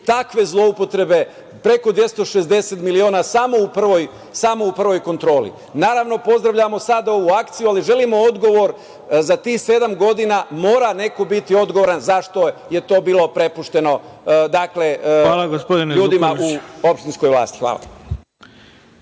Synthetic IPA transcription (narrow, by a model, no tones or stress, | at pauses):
t̪akʋe̞zlˠo̞upo̞t̪ɾe̞be | pɾe̞ko̞d̪ʋje̞st̪o̞ʃe̞zd̪e̞set̪milio̞ːnasamo̞upr̩ʋo̞j | samo̞upr̩ʋo̞jko̞nt̪ɾo̞ːlḭ | naːɾaʋno̞po̞zd̪ɾaʋʎamo̞sad̪ao̞ʋuakt̪sijualiʒe̞limo̞od̪ɡo̞ʋo̞ɾ | zat̪iːxse̞d̪amɡo̞d̪inamo̞ːɾane̞ko̞bit̪io̞d̪ɡoʋoɾanzaʃt̪o̞je̞t̪o̞ːbiːlˠo̞pɾe̞puʃt̪e̞no̞d̪akle̞aːlaɡospod̪inʎuːd̪imauopʃt̪insko̞jʋlˠa̰ːst̪i̥xʋa̰ːlˠa̰